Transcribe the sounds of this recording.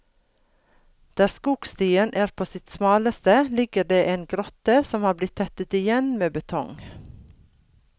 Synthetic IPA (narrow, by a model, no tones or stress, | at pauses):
d̪̥ɑːskuːɡ̥st̪iːənʔæːɾpʰoːsɪt̪smɑːləst̪əlɪɡəɖeːʔeːnɡɾɔt̪əsɔmhɑːblɪt̪ʰːɛt̪ət̪ɪjɛnmeːbət̪ʰɔŋ